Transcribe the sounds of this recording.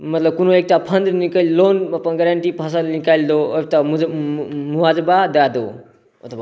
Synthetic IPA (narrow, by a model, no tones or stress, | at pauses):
mʌt̪ləb̚kunoek̚ʈapʰənd̪nikəlʲlonʌpənɡɾaɳʈipʰas̬alnikalʲd̪oek̚ʈamud͡zmuad͡zbad̪ad̪o̰ | ət̪ʰwa